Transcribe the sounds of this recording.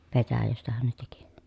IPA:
petæjæstæhæn ne teki

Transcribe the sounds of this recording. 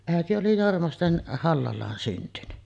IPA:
æˑeti oli jormɑsten hɑlːɑlˑɑːn syntyny

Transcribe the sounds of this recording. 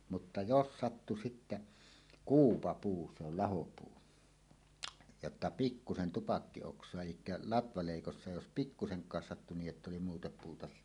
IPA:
mutːɑ jos sɑtːu sitːæ kuːpɑpuː se ol lɑhopuː jotːɑ pikːusen tupɑkːioksˑoɑ elikːæ lɑtʋɑleˑikosːɑ jos pikːuseŋkˑɑːs sɑtːu niːʔ ʔetː oli muːtɑ puːtɑ

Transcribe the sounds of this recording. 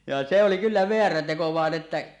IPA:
jɑ se oli kylːæ ʋeæræ teko ʋɑˑen etːæ

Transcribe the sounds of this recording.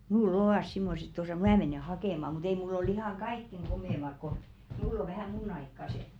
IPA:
mulː oʋɑˑs simːoset tosɑˑ mæ meneˑ hɑkeˑmɑ mut ei mulː ol ihɑŋ kɑikːeŋ ɡ̊omeˑmɑk ko mulː o ʋæhæˑ munˑ ɑikːɑse

